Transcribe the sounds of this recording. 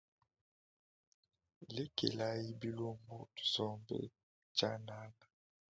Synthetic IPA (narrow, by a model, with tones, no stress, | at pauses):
le˦kḛ˨la˦ji˦bi˦lo˦mbo˦˨zɔ˦mbɛ̰˨ | t͡ʃa˦na˦la˨